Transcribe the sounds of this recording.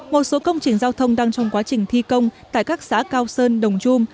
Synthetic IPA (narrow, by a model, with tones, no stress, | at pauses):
mo˨˩t̚so˨˦kə˧wŋ͡mt͡ɕï˨˩ŋ̟zaː˧wt̪ʰə˧wŋ͡mɗaː˧ŋt͡ɕɔ˧wŋ͡mkwaː˨˦t͡ɕï˨˩ŋ̟t̪ʰi˧kə˧wŋ͡mt̪a̰ː˧˨jkaː˦˥k̚sa̰ː˧˥kaː˧wsəː˧nɗə˨˩wŋ͡mt͡ɕu˧m